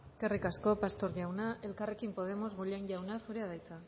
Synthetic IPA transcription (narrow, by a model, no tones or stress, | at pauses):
eske̞rikasko̞past̪o̞ɾʝiawnae̞lkare̞kimpo̞ð̞e̞mo̞zɣoʎanʎawnasuɾeað̞ajt͡sa